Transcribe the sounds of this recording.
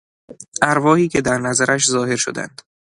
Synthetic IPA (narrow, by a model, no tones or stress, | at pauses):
ʔæɾvɒːhiːcʰe̞d̪æɾnæzæɾʔæʃzɒːhe̞ɾʃo̰d̪æ̰nd̪̥